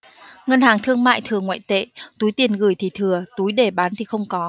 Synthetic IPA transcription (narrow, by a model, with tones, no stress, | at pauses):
ŋə˧nhaː˨˩ŋt̪ʰɨ˧əŋma̰ː˧˨jt̪ʰɨ˨˩əŋwa̰ː˧˨jt̪ḛ˧˨t̪u˨˦jt̪i˨˩ənɣɨ˧˩jt̪ʰi˨˩t̪ʰɨ˨˩ət̪u˨˦jɗe˧˩ɓaː˨˦nt̪ʰi˨˩xə˧wŋ͡mkɔ˨˦